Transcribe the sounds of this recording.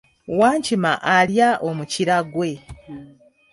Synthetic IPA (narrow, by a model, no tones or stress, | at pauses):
waːɲcimaʔaljaʔo̞muciɾaɡwe̞